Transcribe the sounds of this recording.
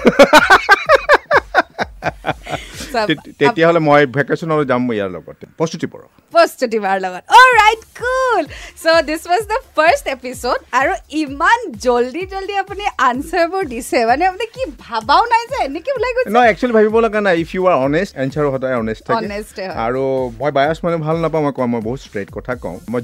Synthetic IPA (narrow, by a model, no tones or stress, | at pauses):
stetijaɦɔlɛmɔjbʱɛkasɔnalɔzamːja̰lɔ̰ɡɔ̰tpɹɔstutipɔ̰ɹɔ̰ | pɹɔstutibaɹlɔɡɔtɔlɹajtkulsod̪iswɔzdəpʰəɹstepisodaɹuimanzoldizoldiapuniʔansaɹbʊɹdisɛmanɛapunikibʱabaʊ̃najzɛːnekibulajɡonɔɛk̚t͡ʃualibʱabibɔlɔɡanajipʰjuaɹɔnestãnsʰaɹuɦɔdajɔnestʰːakɔnestɛɦɔa̰ɹumɔjbajasmanɛbʱalnapaw̃mɔjkɔ̃mɔjboɦutstɹet̚kɔtʰakɔ̰̃ʊ̃mɔj